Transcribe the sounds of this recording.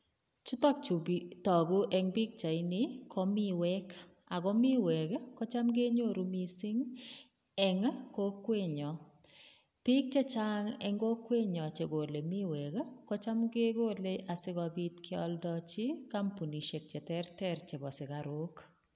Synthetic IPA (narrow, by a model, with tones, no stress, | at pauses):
t͡ʃu˦tɔ˦k̚t͡ʃu˨bitɔ˨ɡu˦ʔɛ˦ŋbi˦k̚t͡ʃa˨i˦ni˨kʰɔ˦mi˦wɛ˦k | a˨ɡɔ˦mɪ˦wɛ˨kkɔ˦t͡ʃa˦mɡe˦ɲo˦˨ɾu˦mi˨sɪ˦ŋ | ɛ˨ŋko˦kːwe˦ɲɔ˨ | pɪ˦k̚t͡ʃe˦t͡ʃa˦ŋɛ̰˨ŋɡo˦kwe˦ɲɔ˨t͡ʃe˨ɡo˨le˨mi˦wɛ˨kkɔ˦t͡ʃa˦mɡe˦ɡo˦le˦ʔa˨sɪ˦ɡɔ˨bi˦tkʰɪ˦ɔ̰˦ldɔt͡ʃi˦ka˦mpu˨ni˨ʃe˨k̚t͡ʃɛ˨tɛ˦rtɛ˦ɾt͡ʃe˨bɔ˨sɪ˨kaɾo˦k